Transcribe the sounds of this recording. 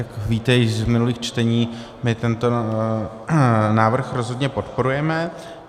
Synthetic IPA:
jakviːt̪ɛjɪʒzmɪnuliːxt͡ʃt̪ɛɲiː | mɪt̪ɛnt̪o̞ | naːvr̩xɾo̞zɦo̞dɲɛpo̞t̪po̞ɾujɛmɛ

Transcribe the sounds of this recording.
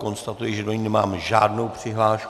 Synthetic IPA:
ko̞nst̪at̪ujɪʒɛdoɲinɛmaːmʒaːdno̞wpr̥ɪɦlaːʃ

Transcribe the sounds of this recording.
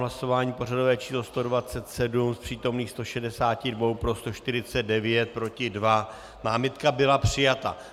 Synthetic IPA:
ɦlaso̞vaːɲiːpo̞rado̞vɛːt͡ʃiːslo̞st̪o̞dvat͡sɛt̪sɛdumspr̝̥iːt̪o̞mniːxst̪o̞ʃɛdɛsaːcɪdvo̞wpɾo̞st̪o̞ʃt̪ɪɾɪt͡sɛd̚dɛvjɛt̪̚pɾo̞cɪdva | naːmɪt̪kabɪlapr̝̥ɪjat̪a̰

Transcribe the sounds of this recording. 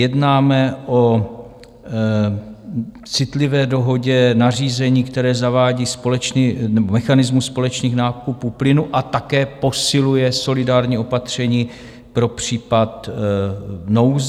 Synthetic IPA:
jɛdnaːmɛʔo̞ | t͡sɪt̪lɪvɛːdo̞ɦo̞ɟɛnariːzɛɲiːkt̪ɛɾɛːzavaːɟiːspo̞lɛt͡ʃniːnɛbomɛxanɪzmuspo̞lɛt͡ʃniːxnaːkupuplɪnuʔat̪akɛːpo̞sɪlujɛso̞lɪdaːɾɲiːo̞pat̪r̝̥ɛɲiː | pɾo̞pr̥iːpat̪ | nowz

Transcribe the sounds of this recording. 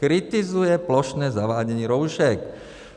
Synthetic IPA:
kɾit̪izujɛplɔʃnɛːzaʋaːɟɛɲɪɛɾɔʊʃɛk

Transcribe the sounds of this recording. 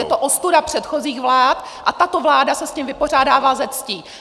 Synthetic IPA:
jɛt̪oʔost̪udapr̝̥ɛt̪xo̞ziːxvlaːt̪ | ʔat̪at̪o̞vlaːdasɛscimvɪpo̞r̝aːdaːvaːzɛt͡sciː

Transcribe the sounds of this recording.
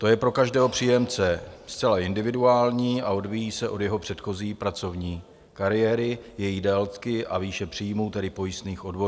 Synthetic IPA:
t̪o̞jɛpɾo̞kaʒdɛːɦo̞pr̝̥iːjɛmt͡sɛst͡sɛlaʔɪndɪvɪduaːlɲiːʔao̞dvijiːsɛʔo̞djɛɦo̞pr̥ɛt̪xo̞ziːpɾat͡so̞vɲiː | kaɾɪjɛːɾɪjɛjidɛlt̪kɪʔaviːʃɛpr̥iːjmuːt̪ɛdɪpo̞jɪst̪niːxʔo̞dvo̞

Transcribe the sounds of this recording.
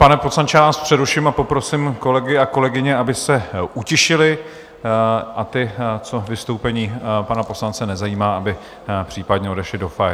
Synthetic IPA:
panɛposlant͡ʃɛavaːspr̥ɛɾuʃɪmapo̞pɾo̞sɪmko̞lɛɡɪako̞lɛɡɪɲɛabɪsɛʔucɪʃɪlɪ | ʔat̪ɪt͡so̞vɪst̪owpɛɲiːpanapo̞slant͡sɛnɛzajiːmaːabɪ | pr̝̥iːpadɲɛo̞dɛʃlɪdo̞fa

